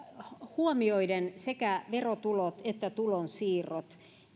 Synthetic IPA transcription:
huomioidensekæʋerot̪ulot̪et̪ːæt̪ulonsiːrot̪

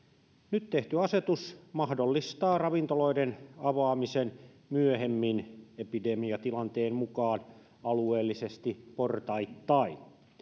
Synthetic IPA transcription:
nyt̪t̪eht̪yɑset̪usmɑhdolːist̪ɑːrɑʋint̪oloidenɑʋɑːmisen | myøhemːinepidemiɑt̪ilɑnt̪eːmmukɑːn | ɑlueːlːisest̪iport̪ɑit̪ːɑin

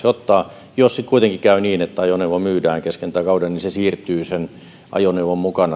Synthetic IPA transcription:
seot̪ːɑː | jossit̪kuit̪eŋkikæˑyniːnet̪ːæɑjoneuʋɑmyːdæːŋkeskent̪ˑæˑːkɑˑudɑnninsesiːrt̪ˑyːsen | ʔɑ̰joneuʋommukɑnɑ

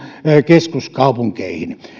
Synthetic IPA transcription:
keskuskɑupuŋkeihin

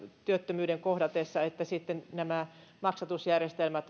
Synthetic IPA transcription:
t̪yøt̪ːømyːdeŋkohdɑt̪esːɑet̪ːæsit̪ːennæmæmɑksɑt̪usjærjest̪elmæt̪

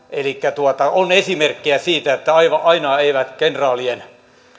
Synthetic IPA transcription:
elikːæt̪uot̪ɑonesimerkːiæsiːt̪æet̪ːæɑiʋɑʔɑinɑeiʋæt̪kenrɑːlien

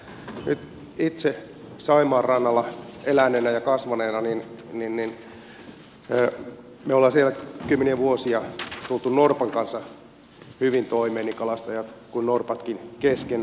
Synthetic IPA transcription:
nyt̪ | it̪se | sɑimɑːrrɑnːɑlːɑelænːenæjɑkɑsʋɑneːnɑninninnin | meolːɑːsielækymːeniæʋuosiɑt̪ult̪unnorpɑŋkɑnsːɑ | hyʋint̪oimeːnːikɑlɑst̪ɑjɑt̪kunnorpɑt̪kinkesken

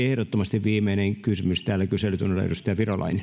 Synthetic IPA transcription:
ehɾot̪ːomɑst̪iʋʋiːmeineŋkysymyst̪æːlːækyselyt̪unelɑḛust̪ɑjɑʋirolɑ̰ine

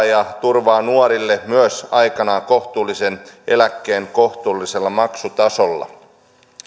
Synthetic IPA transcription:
jɑt̪urʋɑːnuoɾilːemyøsɑjkɑnɑko̞ht̪uːlːise̞ne̞lækːe̞ːŋkoht̪uːlːiselːɑmɑksut̪ɑso̞lːɑ̰

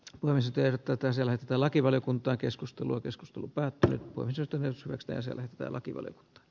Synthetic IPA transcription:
poimest̪erot̪ːæːt̪ːæːhsielæhet̪ːet̪æːlɑkiʋɑljokunt̪ˑɑːŋkeskust̪eluɑkesku̥st̪elupæːt̪ːyny̰t̪poeimest̪ːæneˑshyʋækst̪æ̰ːjɑsiḛæ̰læhet̪ːe̥t̪æ̰ːlɑkiʋɑ̰ljo̰ku̥nt̪ɑ̥ː

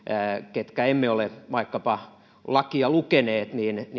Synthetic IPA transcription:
ket̪kæemːeoleʋɑikːɑpɑ | lɑkiɑlukeneːt̪niːnn

